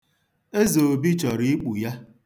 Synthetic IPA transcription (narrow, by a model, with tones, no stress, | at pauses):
e˦ze˨o˨bi˦t͡ʃɔ˨ɾi˦i˦k͡pu˨ja˦